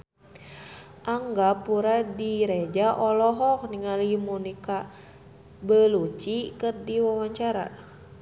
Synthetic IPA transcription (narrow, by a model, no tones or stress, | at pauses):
ʔaŋɡapuɾadiɾed͡ʒaʔɔlɔɦɔk̚niŋalimunika | bəlut͡ʃikɨrdiwawaɲt͡ʃaɾa̰